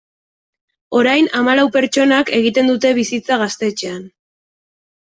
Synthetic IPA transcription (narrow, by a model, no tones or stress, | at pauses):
o̞ɾajnamalawpe̞ɾt͡ʃo̞nake̞ɣ̞it̪e̞nd̪ut̪e̞βisit͡saɣ̞ast̪e̞t͡ʃe̞an